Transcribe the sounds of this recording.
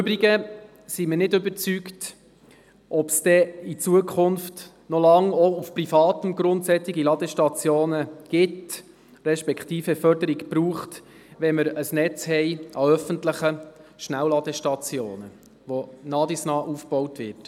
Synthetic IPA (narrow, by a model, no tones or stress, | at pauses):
ʉbɾiɡə | simənɪdʏbəɾt͡sykt | ʔɔpsd̥ɛit͡suəkʰʊnft | nɔlɑŋɔufprifɑːtəmɡɾʊntsɛt͡siɡilɑd̪ɛʃtɑt͡sjoːnəɡ̥ɪt | ɾɛʃpɛkχtiːfɛfœɾdəɾiɡpɾuːχt | ʋɛməɾəsnɛt͡shɛɪʔɑœfəntləχəʃnæwlɑd̥̪ɛʃtɑt͡sjo̰ːnə | ʋonɑːdisnɑːʔuːfb̥ɔwtʋɪɾt